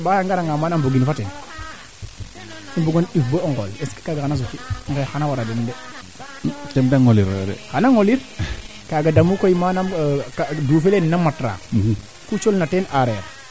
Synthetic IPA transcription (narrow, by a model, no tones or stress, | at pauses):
bajaŋɡaɾaŋɡamaːnamboɡinfatɛn | imbuɡɔnifboɔŋɡɔleski̥kaɡaanas̬ukiŋkɛxanawaɾadɛnndɛ | tɛmdaŋoliɾdɛ̰kanaŋoliɾ | kaɡadamukojimanamkaduːfelennamatɾa̰ː | kut͡ʃolnatɛnʔaɾɛɾ